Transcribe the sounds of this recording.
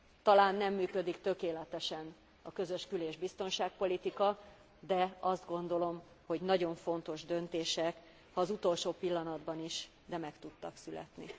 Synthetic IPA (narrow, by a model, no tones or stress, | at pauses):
t̪ɒlaːnːɛmːyːkød̪ikt̪ø̞keːlɛt̪ɛʃɛn | ɒkø̞zøʃkyleːʒbist̪o̞nʃaːk̚po̞lit̪ikɒ | d̪ɛɒzd̪ɡo̞nd̪o̞lo̞m | ho̞ɟnɒɟo̞ɱfo̞nt̪o̞ʒd̪ø̞nt̪eːʃɛk | hɒːzut̪o̞lʃoːpilːɒnɒd̪bɒniʃ | d̪ɛmɛkt̪ut̪ːɒksylɛ̰t̪nḭ